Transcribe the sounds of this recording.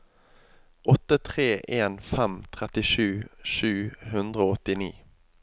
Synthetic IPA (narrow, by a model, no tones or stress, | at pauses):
ʔɔt̪ət̪ʰʁeːʔeːnfɛmt̪ʰʁɛt̪ɪʃʉːʃʉːhʉnd̪ʁəoːɔt̪ɪnḭː